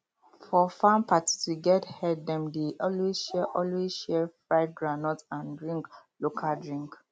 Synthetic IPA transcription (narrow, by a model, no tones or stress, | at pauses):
fɔfãmpʰati̥siɡɛthɛd̚dɛ̃mdeʔɔlwezʃɛʔɔlwezʃɛfɹaɪd̚ɡɹanɔtãndɹĩŋklokʰaldɹĩŋk